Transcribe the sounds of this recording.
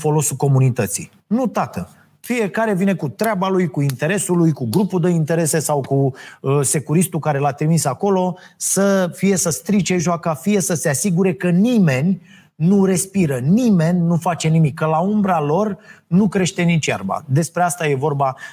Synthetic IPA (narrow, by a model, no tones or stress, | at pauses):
fo̞lo̞suko̞munit̪ət̪sḭ | nut̪at̪ə | fije̞kaɾe̞vine̞kut̪ɾeabalujkuint̪e̞ɾe̞sulujkuɡɾupuld̪eint̪e̞ɾe̞se̞sawkuse̞kuɾist̪ukaɾe̞lat̪ɾimisako̞lo̞səfije̞səst̪ɾit͡ʃe̞ʒoakəfije̞səse̞asiɡuɾe̞kənime̞nʲ | nuɾe̞spiɾənime̞nʲnufat͡ʃe̞nimikːəlaumbɾalo̞rnukɾe̞ʃt̪e̞nit͡ʃja̰rba̰d̪e̞spɾeast̪aje̞vo̞rba